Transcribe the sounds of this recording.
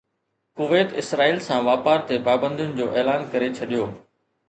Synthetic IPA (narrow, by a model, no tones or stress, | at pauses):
kʊʋeːt̪ɪsɾaːiːlsãʋaːpaːɾt̪epaːbə̃nd̪ʱjʊnɪ̆d͡ʑoːʔeːlaːnkɐɾet͡ɕʰɐɗijoː